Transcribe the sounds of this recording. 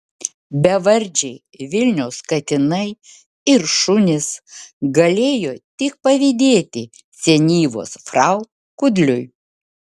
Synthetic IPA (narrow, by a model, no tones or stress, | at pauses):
bʲɛʋɐɾʲd͡ʒʲɛɪ | ʋʲɪlʲnʲɛʊskɐt̪ʲɪnɐɪ | ɪɾʃʊnʲɪsɡɐlʲeːjoːt̪ʲɪk̚pɐʋʲɪd̪ʲeːt̪ʲɪ | sʲɛnʲiːʋo̰ːsfɾɐʊ | kʊd̪ʲlʲʊj